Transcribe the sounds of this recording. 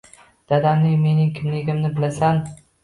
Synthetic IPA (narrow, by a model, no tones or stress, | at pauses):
d̪̥ad̪amnɪŋme̞nɪŋkʲʰɪmlɪɡʲɪmnɪbɪlasan